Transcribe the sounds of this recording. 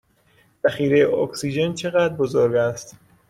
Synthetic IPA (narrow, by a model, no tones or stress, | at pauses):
z̥æxiːɾejeoksiːd͡ʒe̞nt͡ʃʰe̞ɣæd̪ɾbozoɾɡæst̪